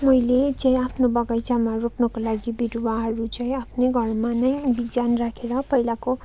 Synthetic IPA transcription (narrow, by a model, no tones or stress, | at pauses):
mʌjlet͡saĩapʰnobʌɡajt͡samaroknʌkolaɡibiɾwaɦʌɾut͡saĩapʰneɡʱʌrmanʌjbid͡zanrakʰeɾʌpʌilako